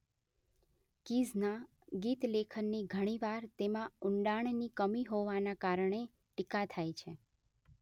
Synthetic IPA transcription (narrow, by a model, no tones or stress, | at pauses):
kizna | ɡit̪lekʰənːiɡʱəɽ̃iʋaɾt̪emãʊɳɖaɳ̃nikəmiɦoʋanakaɾəɳe | ʈikat̪ʰajt͡ʃʰe